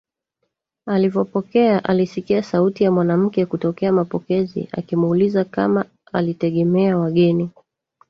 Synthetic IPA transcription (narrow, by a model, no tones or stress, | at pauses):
alivɔpɔkɛaʔalisikiasautijamwanam̩kɛkutɔkɛamapɔkɛzḭa̰kimulizakama | alitɛɠɛmɛawaɠɛni